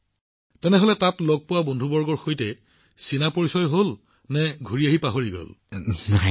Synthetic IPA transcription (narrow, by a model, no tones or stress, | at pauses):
tɛnɛɦɔlɛtatloɡ̚pʊwabondʱubɔɹɡɔɹxojtɛ | sinapoɹisɔjɦol | nɛɡʱuɹiaɦipaɦoɹiɡo̰lna